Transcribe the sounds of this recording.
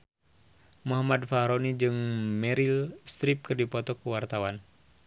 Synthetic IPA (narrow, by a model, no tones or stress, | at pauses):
muɦamadfaɦɾɔnid͡ʒɨŋmɛɾilst̪ɾip̚kɨrdipɔt̪ɔkuwart̪awan